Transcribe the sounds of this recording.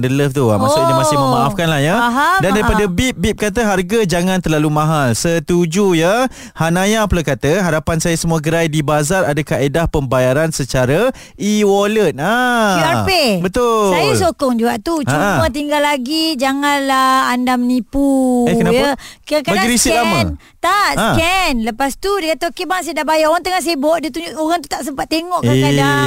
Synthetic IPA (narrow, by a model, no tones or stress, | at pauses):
ndələft̪ua̰masʊʔnimasɪməmaafkanlahjəaadandaɾipadabip̚bip̚kat̪əɦarɡad͡ʒaŋãnt̪ərlalumãɦalsət̪ud͡ʒujə | hanajapəlakat̪əɦaɾapansajasəmuaɡəɾajdibazaradakaʔedahpəmbajaɾansət͡ʃaɾə | ʔiwɔlət̪̚aapebət̪ʊsajasokɔŋd͡ʒuaʔt̪ut͡ʃumət̪̬iŋɡalːaɡid͡ʒaŋanlaandamənipuɛkənajəkakabadaiɾisilamn | t̪aʔsakɛnləpast̪udekat̪aokebaŋs̬ajədaʔbajaoɣaŋt̪əŋaʔs̬ajəbɔʔdət̪uɲd͡ʒuʔoɣaŋt̪u̥t̪aʔsəmpat̪̚ːeŋɔʔaeada